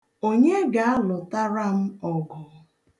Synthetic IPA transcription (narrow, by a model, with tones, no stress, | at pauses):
o˦ɲe˦ɡa˨a˦lɔ˨ta˦ɾa˦m̩˦ɔ˨ɡɔ˨